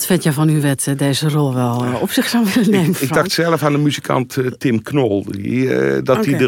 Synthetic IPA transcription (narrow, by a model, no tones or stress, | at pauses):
tfɪntjɛfɔnyʋɛtdeːzərolˠʋɛlˠɔpsɪxsaʋɪləneːmɪɡ̚dɑxtsɛlˠəfandəmyzikʰa̰nttɪmknolˠidɔtidə